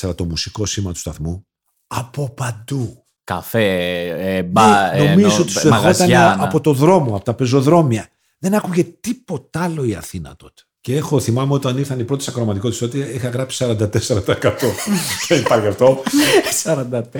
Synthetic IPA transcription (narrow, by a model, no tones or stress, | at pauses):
seɾɐt̪o̞musiko̞simɐt̪u̥st̪ɐθmu | ɐpo̞pɐnd̪u | kɐ̰feebno̞mizot̪ist̪ɐozt̪ɐnɐpo̞t̪o̞ðɾo̞mo̞ɐpo̞t̪ɐpe̞zo̞ðɾo̞miɐ | ðe̞nɐkuʝe̞t̪ipo̞t̪ɐɐlo̞iɐ̰θinɐ̰t̪o̞t̪e̥ceexo̞θimɐmeo̞t̪ɐniɾθɐnipɾo̞t̪isɐkɾomɐt̪ikot̪isot̪iixɐɣɾɐpsi̥sɐɾɐnd̪ɐt̪eseɾɐt̪ɐekɐt̪o̞θenipɐɾçɐft̪o̞sɐɾɐnd̪ɐt̪